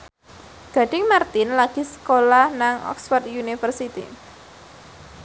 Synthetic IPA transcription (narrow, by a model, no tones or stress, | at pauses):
ɡ̥a̤ɖ̥ɪ̤ŋmart̪ɪnlaɡ̥i̤sə̥kolahnaŋɔ̰ksfɔrt̪junifərsit̪ḭ